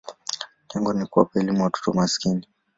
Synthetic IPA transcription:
ɲɛŋɡɔnikua̰pɛɛlimuwatɔ̥tɔmaskini

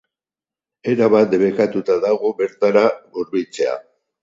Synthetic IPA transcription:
e̞ɾaβat̪βe̞kat̪ut̪aðaɣoβe̞ɾt̪aɾaɣuɾβit͡se̞a̰

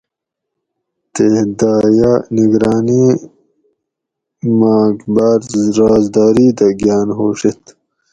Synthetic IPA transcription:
t̪ehd̪aːjaniɡɾaːni | maːɡbaːɾɾaːzd̪aːɾiːd̪ɐɡjaːnɦoːɕet̪

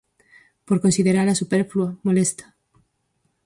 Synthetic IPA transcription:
poɾkonsiðeɾaɾasupeɾfluamolest̪ḁ

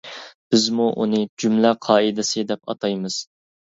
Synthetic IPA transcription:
b̥ɪzmuʔunɨd͡ʒymlæqʰɑːid̪ɪsɨd̪ɛpɑ̰t̪ʰɑjmɨz̥

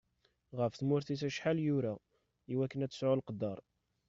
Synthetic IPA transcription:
ʁəfθmʊɾθisæʃħaljʊɾæ | iwækːənæt͡sːə̥sʕʊlqd̪ːɑɾˤ

